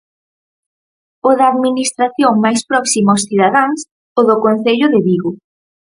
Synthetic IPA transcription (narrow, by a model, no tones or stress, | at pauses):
ʊðaːðminist̪ɾaθjoŋmajspɾɔksimaosθiðaðaŋs | oðʊkon̟θeʎʊðɪβiɣʊ